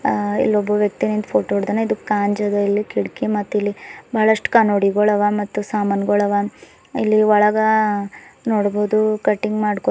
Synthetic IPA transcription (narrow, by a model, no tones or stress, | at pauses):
ḭlːɔbːɐʋjɐk̚t̪inind̪pʰoːʈoɽd̪aneid̪ukaːɲd͡ʒɐd̪ɐilːikiɽkimɐt̪ːilːibʱɐɦɭɐʂʈu̥kɐnoɽiɡɔɭɐʋɐmɐt̪ːusaːmɐnɡɔɭɐʋɐ | ilːiɔɭɐɡɐ | noːɽboːd̪ukɐʈːiŋɡmaːɽko